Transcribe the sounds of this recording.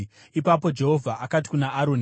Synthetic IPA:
ipapo̞d͡ʒe̞ɦo̞vʱaʔakati̥kunaʔːɾo̞ni

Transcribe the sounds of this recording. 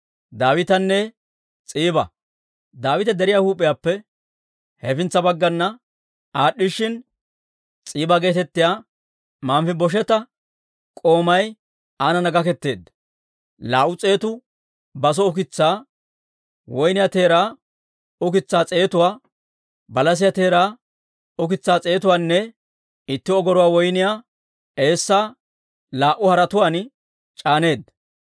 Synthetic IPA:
d̪aːwɪt̪ɐnːɛ | t͡sʼiːbɐ̰ | d̪aːwɪt̪ɛd̪ɛɾɪjaːhuːpʼːɪjaːpːɛ | hɛfɪnt͡sːɐbɐɡːɐnːɐ | aːɗːɪʃɪn | t͡sʼiːbɐɡe̞ːt̪ɛt̪ːɪjaː | maːmfɪbɔʃ̬ɛt̪ɐ | kʼo̞ːmɐj | aːnɐnɐɡɐkɛt̪ːe̞ːd̪ɐ | laːʔʊt͡sʼe̞ːt̪ʊ | bɐs̬ɔʊk̬ɪt͡sːaː | wɔjnɪjaːt̪e̞ːɾaː | ʊkɪt͡sːaːt͡sʼe̞ːt̪ʊwaː | bɐlɐs̬ɪjat̪e̞ːɾaː | ɔkɪt͡sːaːt͡sʼe̞ːt̪ʊwaːnːɛ | ɪt̪ːɪɔɡɔɾʊwaːwɔjnɪjaː | e̞ːsːaː | laːʔʊhɐɾɐt̪ʊwaːn | t͡ʃʼaːne̞ːd̪ɐ

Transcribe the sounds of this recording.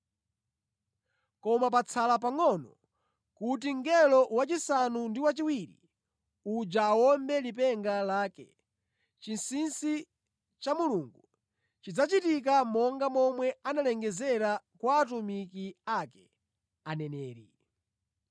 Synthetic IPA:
kɔmap̬at͡sʰalap̬aŋɔnɔ | kut̬iŋɡɛlɔwat͡ʃisanundiwat͡ʃiwiɾḭ | ud͡ʒawɔmbɛlip̬ɛŋɡalaːkɛ̰ | t͡ʃinsinsi | t͡ʃamuluːŋɡu | t͡ʃid͡zat͡ʃitik̬amɔŋɡamɔmwɛanalɛŋɡɛzɛɾakwaːt̬umikiakɛ | anɛnɛːɾḭ

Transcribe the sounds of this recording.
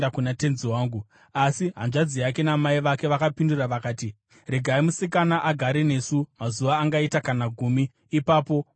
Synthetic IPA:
akunate̞nziwaːŋɡu | asiɦanʐad͡zijake̞namaiʋake̞ʋakapinduraʋakaːti | reɡʱaimusik̬anaʔaɡʱaɾene̞sumazuʋaːŋɡaitakanaɡʱumiː | paːpo̞

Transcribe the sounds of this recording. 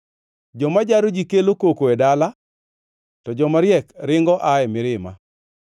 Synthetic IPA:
d͡ʒɔmad͡ʒaɾod͡ʒikelokokoedala | tɔd͡ʒɔmaɾjɛkɾɪŋɡɔʔaɛmɪɾɪma̰

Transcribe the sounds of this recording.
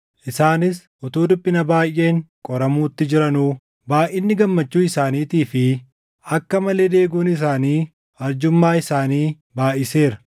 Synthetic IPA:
ʔɪsaːnɪs | ʔɔt̪uːd̪ʊpʼːɪnɐbaːjːe̞ːŋkʼɔɾɐmuːt̪ːɪd͡ʒɪɾɐnuː | baːʔɪnːɪɡɐmːɐt͡ʃːuːɪsaːniːt̪iːfɪ | ɐkːɐmɐle̞ːd̪e̞ːɡuːnɪs̬aːniː | ɐɾd͡ʒʊmːaːɪsaːniː | baːʔɪse̞ːɾɐ

